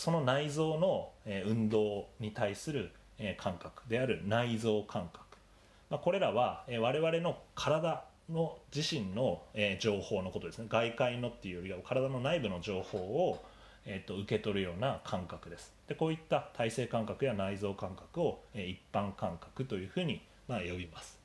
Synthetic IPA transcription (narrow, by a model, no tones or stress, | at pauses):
so̞no̞naizo̞ːno̞eːɯ̟̃nd̪o̞ːɲ̟it̪aisɨɾɯ̟ | eːkʰãŋkakɯ̟̥d̪e̞aɾɯ̟naizo̞ːkʰãŋkḁkɯ̥ | mako̞ɾe̞ɾaβaeːβ̞aɾe̞βaɾe̞no̞kʰaɾad̪a | no̞d͡ʑiɕĩnːo̞eːd͡ʑo̞ːho̞ːno̞ko̞t̪od̪esɨneɡaikaino̞t̪ːeɯ̟jo̞ɾʲiɡakʰaɾad̪ano̞naibɯ̟no̞ʑo̞ːho̞ːo | et̪ːo̞ɯ̟ke̞t̪o̞ɾɯ̟jo̞ːnakʰãŋkakɯ̟d̪e̞sɨ̥d̪̥e̞ko̞ːit̪ːat̪ʰaise̞ːkãŋkakɯ̟janaizo̞ːkãŋkḁkɯ̟o̞eːipːãŋkãŋkḁkɯ̟t̪o̞jɯ̟ːɸɯ̟ːɲ̟i | majo̞bʲimasɨ̥